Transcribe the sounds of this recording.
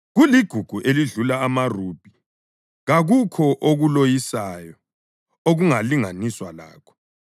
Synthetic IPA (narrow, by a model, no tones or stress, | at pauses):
ɣuliɡ̥ʱuɡ̥ʱuʔeliɮulaːmarub̥ʱi | ɣaɣukʰɔʔoɣulojisajɔ | oɣuŋaliŋaniswala̰ːkʰɔ̥